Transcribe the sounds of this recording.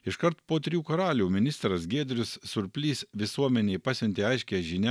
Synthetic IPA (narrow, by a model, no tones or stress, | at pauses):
ɪʃkɐɾt̪poːt̪ʲɾʲjuːkɐɾɑːlʲuːmʲɪnʲɪst̪ɾɐsɡʲeːd̪ʲɾʲʊsːʊɾʲpʲlʲiːsʋʲɪsuɔmʲɛnʲeɪpɑːsʲɛnʲt̪ʲeːɐɪʃʲkʲeːʒʲinʲæ